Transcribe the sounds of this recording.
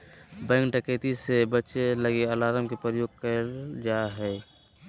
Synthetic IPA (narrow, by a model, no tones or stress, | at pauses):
bɛ̃ŋkʈəkeːt̪isebət͡ʃeləɡeəlaːɾəmkepəjoːɡ̚kəd͡ʒaːɦɛː